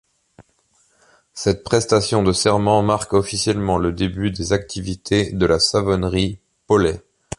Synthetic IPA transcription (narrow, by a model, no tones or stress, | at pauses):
sɛt̪̚pχɛst̪asjɔ̃d̪əsɛʁmɑ̃maʁkɔfisjɛlmɑ̃ləd̪ebyd̪ezak̚t̪ʰivit̪ʰed̪əlasavɔnʁi | pɔlɛ